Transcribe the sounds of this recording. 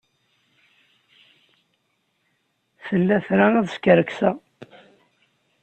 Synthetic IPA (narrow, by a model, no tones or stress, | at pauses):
θəlːæθɾaæðskəɾəksæ